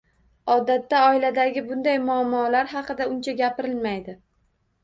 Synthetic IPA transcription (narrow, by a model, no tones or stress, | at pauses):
ɒd̪at̪ːaɒɪlad̪aɡʲɪbʊnd̪ajmʊamːɒlaɾɦɑqɨd̪aʊnt͡ʃʰaɡʲapɪɾɪlmajd̪ɪ